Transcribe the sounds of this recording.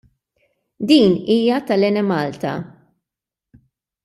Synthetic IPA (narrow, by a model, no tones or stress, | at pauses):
d̪iːniːjɐt̪ɐlɛnɛmɐːlt̪ɐ̰